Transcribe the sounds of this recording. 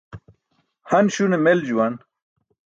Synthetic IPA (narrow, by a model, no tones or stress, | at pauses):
hɐnɕunemeld͡ʑuwɐn